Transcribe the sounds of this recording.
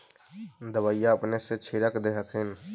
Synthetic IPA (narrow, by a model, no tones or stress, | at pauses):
d̪əbəːjaəpneset͡ʃʰɪɾəkd̪eɦəkʰɪn